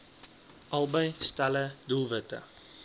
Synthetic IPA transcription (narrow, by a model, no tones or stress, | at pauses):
ʔɐlˠbəjstælədulˠvətə̰